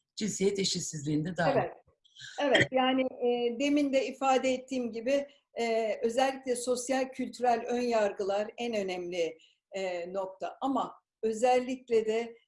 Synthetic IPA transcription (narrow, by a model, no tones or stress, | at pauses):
d͡ʒinsijɛt̪eʃisizlʲiːnd̪ɛd̪aevɛ | e̞vɛt̪jaːnɪd̪e̞mind̪ɛifaːd̪ɛɛt̪ʰːiːmɟibɪ | ø̞zɛlʲːiclʲɛso̞sjalʲcʰylʲt̪ʰyɾælʲø̞njaɾɡɯlˠaɾænø̞nɛmlʲɪ | no̞k̚t̪ʰaʔama | ø̞zælʲːiclʲɛd̪ɛ